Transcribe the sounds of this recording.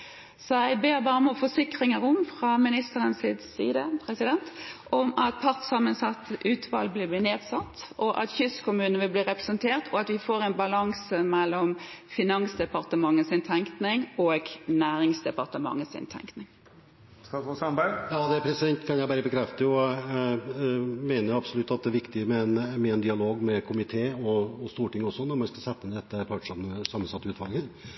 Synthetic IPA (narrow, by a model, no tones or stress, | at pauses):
sɔæɪbeːɾbɑːmɔfɔʂɪkʁɪŋəɾʊmfʁɑmɪnɪst̪əɾənsɪd̪sḭːd̪əpʰɾɛsɪd̪ɛnt̪ʔɔmɑt̪̚pʰɑʁt̪sɑmənsɑt̪ːʔʉːt̪ʰʋɑ̰lblɪbliːneːd̪sɑt̪ːɔʔɑ̰t̪çʏskʰʊmʉːnəʋɪlbliːʁɛpɾɛsənt̪ʰeːʁt̪ʰɔɑt̪ʋɪfoːɾɛɪnbɑlɑŋsəmɛlːɔmfɪnɑnsd̪ɛpɑʁt̪əmɑŋːəsɪnt̪ʰɛŋknɪŋɔɡnæːɾɪŋsd̪ɛpɑʁt̪əmɑ̰ŋːəsɪ̰nt̪ʰɛ̰ŋknɪŋ | kɑɔsɑbæjɑːd̪ɛpʰɾɛsɪd̪ɛnt̪kʰɑnjæɪbæːɾəbəkʰɾɛft̪əɔ | meːnəɾjɑbsɔlʉt̪ːɑt̪̚d̪ɛʋɪkt̪ɪəmɛɛnmɛɛnd̪ɪɑloːɡmɛkʰʊmɪt̪ʰeːɔːst̪uːʈɪŋːɔsːɔnɔɾmɑnskɑsɛt̪ːəɪnd̪ɛt̪ːəpʰɑʈʂɑməsɑmən̩sɑt̪ːəʉːt̪ʰʋɑlɡə